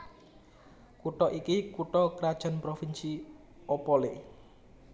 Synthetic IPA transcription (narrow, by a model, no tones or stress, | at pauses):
kuʈɔʔikikuʈɔkɾad̥ʒ̥a̤npɾofinsi | opɔle